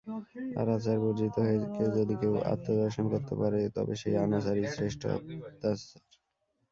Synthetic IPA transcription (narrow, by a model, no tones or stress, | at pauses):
a̰ɾat͡ɕaɾboɾd͡ʑit̪oɦoeked͡ʑod̪ikewʔa̰t̪ːod̪ɔɾʃonkoɾt̪epaɾet̪ɔ̰bḛʃejanas̬aɾisɾeʃʈʰo̰t̪asaɾ